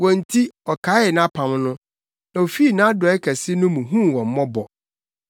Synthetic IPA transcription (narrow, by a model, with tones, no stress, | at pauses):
wɔ̃˨n̩˨tʰi˦ɔ˨kʰa˨˦ɛ˨nã˦pʰã˨mnʊ̃˦ | nã˨o˨fi˦˨nã˦dɔ˨ɛ˦kʰɛ˨sɪ˦nʊ̃˦mũ˨ɦũ˦wɔ̃˨m˦mɔ̃˦bɔ˨